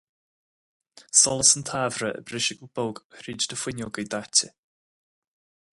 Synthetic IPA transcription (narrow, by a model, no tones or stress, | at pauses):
sɔlˠəsəntʰavɾəʔə̰brɪʃɪkəlb̥ɔlˠɡhriːd͡ʒdəfwɪnjɔlˠɡejdatʰɪ